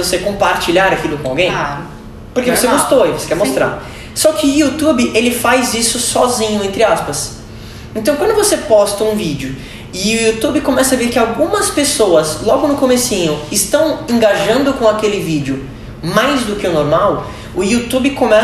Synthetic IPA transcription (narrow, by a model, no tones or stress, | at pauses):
vosekõpaɾt͡ʃiʎaɾakilʊkõawɡẽj̃ | poɾkevoseɡost̪oivose̥kɛɾmost̪ɾa̰ɾ | sɔkɪʊiut̪ubɪʔelɪfajzisʊsɔzĩɲʊẽnt̪ɾɪaspɐs | ẽnt̪ɐ̃w̃kwɐ̃d̪ʊvosepɔst̪ɐũvid͡ʒɪʊ | ɪʊut̪ubɪkõmɛsɐveɾkɪawɡũmɐspesowɐslɔɡʊnʊkomesĩɲʊɪst̪ɐ̃w̃ẽŋɡaʒɐ̃nd̪ʊkõakelɪvid͡ʒɪʊ | majzd̪ʊkɪʊnoɾmaw | ʊiut̪ubɪkõmɛ